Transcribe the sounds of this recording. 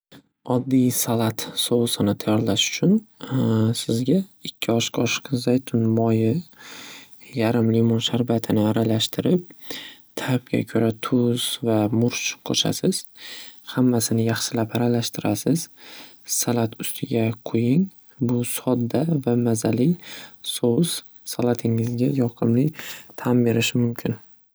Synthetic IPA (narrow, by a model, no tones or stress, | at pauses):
ɒd̪ːijsalat̪sowsɪnɪt̪ʰajɒɾlaʃʊ̥t͡ʃʰʊn | sɪzɡʲaɪkʲʰːɪɒʃqʰɒʃqzajt̪ʰʊnmɒjɪ | jaɾɪmlimonʃaɾbat̪ʰɪnɪaɾalaʃt̪ʰɪɾɪp̚t̪ʰap̚ɡʲa̰kʲʰɵɾat̪ʰʊz̥vamʊɾt͡ʃqʰo̰ʃa̰sɪz̥hamːasɪnɪjɑχʃɪlapaɾalaʃt̪ʰɪɾʔasɪz̥salat̪ʰʊst̪ʰɪɡʲaqʰʊjɪŋ | bʊsɒd̪ːavamazalɪjsoz̥ | salat̪ʰɪŋɪzɡʲajɒqʰɨmlɪt̪ʰanbe̞ɾɪʃɪmʊmkʲʰɪn